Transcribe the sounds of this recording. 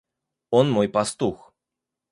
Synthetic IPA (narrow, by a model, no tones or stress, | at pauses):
ɔnmojpɐst̪ux